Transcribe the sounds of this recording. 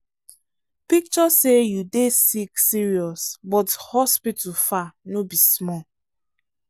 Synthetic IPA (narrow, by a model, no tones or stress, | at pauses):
pik̚t͡ʃɔsejudesiksiɹiɔsbɔthɔspitʰufanobismɔ